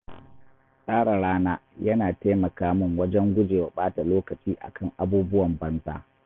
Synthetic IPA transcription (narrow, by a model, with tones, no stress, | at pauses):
sʼaː˦ɽa˨ɽaː˦naː˦jɐ˦naː˨ta˦jmɐ˨kaː˦mʊ˦˨ŋwɐ˦d͡ʒɛ˦ŋɡʷʊ˦d͡ʒeː˨wa˨ɓaː˦ta˨loː˦kɐ˨t͡ʃiː˦ʔa̰˨kʰɐ˦˨ŋʔa˦buː˦bʊ˦wɐ˨mbɐ˦nza̰ː˦